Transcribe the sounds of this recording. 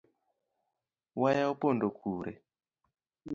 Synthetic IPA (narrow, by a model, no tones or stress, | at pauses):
wajaopondokʰuɾɛ̰